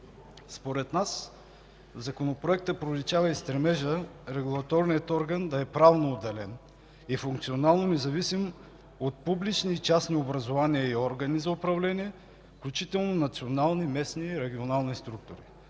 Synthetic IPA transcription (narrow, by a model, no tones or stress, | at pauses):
spoɾɛt̪nas | zɐkonopɾoɛk̚t̪əpɾolʲit͡ʃavəist̪ɾɛmɛʒəɾɛɡulˠɐt̪ɔɾnijət̪ɔɾɡənd̪ɐɛpɾavnoːd̪ːɛlɛn | ifuŋk̚t̪sionalˠnomɛzɐvisim | ot̪̚publit͡ʃnit͡ʃasniobɾɐzovaniəiɔɾɡɐnizɐʊpɾɐvlɛniɛ | fklʲut͡ʃit̪ɛlˠnonɐt̪sionalˠnimɛsniɾɛɡʲionalˠnist̪ɾuk̚t̪ʊɾi